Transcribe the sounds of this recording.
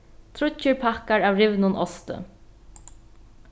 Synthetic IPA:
t̪ʰɾʊt͡ʃːəɹpʰakaɹaːwɾɪʋnʊnɔst̪ə̰

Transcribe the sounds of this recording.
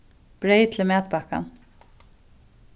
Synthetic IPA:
b̥ɾejt̪ʰlmɛːt̪̚baka̰n

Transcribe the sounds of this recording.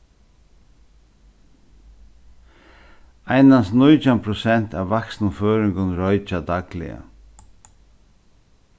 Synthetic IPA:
aɪnansnʊʏt͡ʃampʰɾʊsɛn̥t̪ʰa̰ːʋʋaksnʊføːɾɪŋɡʊnɾɔʏt͡ʃad̪aɡlɪ̰ə̰

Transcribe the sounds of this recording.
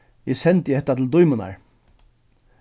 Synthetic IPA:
ɪsɛnt̪jɪhɛt̪ːat̪ʰɪld̪ʊjmʊna̰ɹ

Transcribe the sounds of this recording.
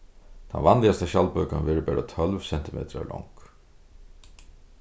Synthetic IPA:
t̪ʰa̰nvanlɪast̪aʃalpœːkanvɛːɹpɛːɹat̪ʰœlvsɛn̥t̪ɪmḛːt̪ɾa̰lʔɔ̰ŋk

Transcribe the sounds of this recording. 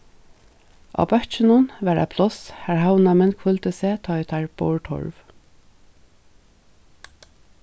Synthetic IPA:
ʔa̰ːbœht͡ʃɪnʊnʋɛɾa̰pʰlɔshæɹɦawnamɪnkʰfʏlt̪ɪseːt̪ʰɔjt̪ʰaɹb̥ɔ̰wɹʈʰɔ̰ɹv

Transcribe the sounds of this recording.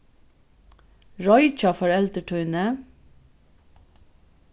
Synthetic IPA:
ɹɔʏt͡ʃɑfɔɹɛlt̪əʈʰœʏnə

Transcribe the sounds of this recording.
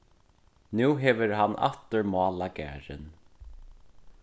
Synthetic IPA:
nuːɦɛvɪɾɦanːʔa̰t̪ʏɹmɑːlakɛ̰ːɾɪ̰n

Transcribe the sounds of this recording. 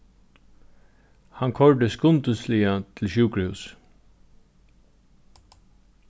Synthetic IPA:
hɑŋkʰɔɹɖ̪əskʊnt̪ʉslɪat̪ʰɪl̩ʃʉːkɾəhʉ̰ːs

